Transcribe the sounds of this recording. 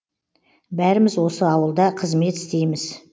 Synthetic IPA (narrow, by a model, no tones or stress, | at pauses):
bæɾɪmɪzwo̞səɑwəlˠd̪ɑqʰəzme̞t̪ɪ̥st̪e̞jmɪz